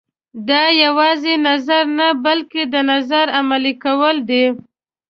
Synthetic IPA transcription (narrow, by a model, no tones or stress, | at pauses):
d̪ɑjawɑzenazaɾnabalked̪ənazaɾamalikawəld̪e